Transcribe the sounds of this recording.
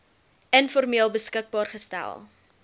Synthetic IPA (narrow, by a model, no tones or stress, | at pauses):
ənfɔrmiəlˠbəskək̚bɑːrχəstæ̰lˠ